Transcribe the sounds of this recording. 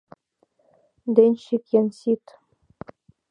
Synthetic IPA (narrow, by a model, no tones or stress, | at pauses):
d̪enʲɕikjɘnʲsʲit̪